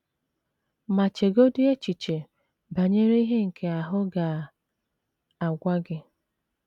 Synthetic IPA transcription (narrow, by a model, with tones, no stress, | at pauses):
ma˨t͡ʃe˨ɡo˦dʊ˦e˦t͡ʃi˨t͡ʃe˨ | ba˨ɲe˦ɾe˦i˦ɦe˦ŋ̩˨kʰe˨a˨ɦʊ˦ɡa˨ | a˨ɡʷa˦ɡɪ˦